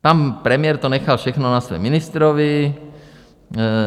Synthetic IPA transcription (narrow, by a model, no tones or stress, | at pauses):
panpɾɛmɪjɛɾt̪onɛxalfʃɛxnonasʋɛ̰minist̪ɾoʋi